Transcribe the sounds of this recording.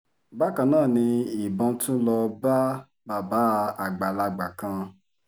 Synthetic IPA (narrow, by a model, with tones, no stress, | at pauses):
ba˦kã˧nãː˦˨nĩ˧i˨bɔ̃˧tũ˦lɔ˧ba˦ | ba˨ba˨˦˧a˨ɡ͡ba˨la˧ɡ͡ba˨kã˧